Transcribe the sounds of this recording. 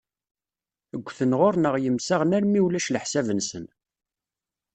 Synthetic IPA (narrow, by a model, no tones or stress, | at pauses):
əɡʷːθənʁoɾnəʁjəmsaʁnæɾmiwlæʃləħsævənsən